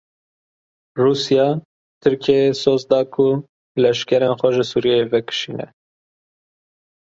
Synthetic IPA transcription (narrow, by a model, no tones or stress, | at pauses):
ruːsijɑː | t̪ʰɨɾkʰesoːzd̪ɑːkʰʊ | lɛʃkɛɾeːnxʷɛʒɨsuːɾjɛjevɛkʰɨ̥ʃiːnɛ̰